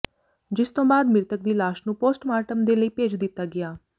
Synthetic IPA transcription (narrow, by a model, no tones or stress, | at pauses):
d͡ʒɪst̪õːbaːd̪mɪɾt̪ək̚d̪iːlaːʃnũːpoːsʈmaːʈəmd̪eːləiːpeːd͡ʒd̪ɪt̪ːaːɡɪaː